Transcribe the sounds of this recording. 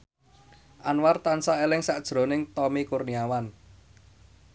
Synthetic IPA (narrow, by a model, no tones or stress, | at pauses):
ʔanwart̪ansaelɪŋsaʔd̥ʒ̥ɾo̤nɪŋt̪ɔmikurniawan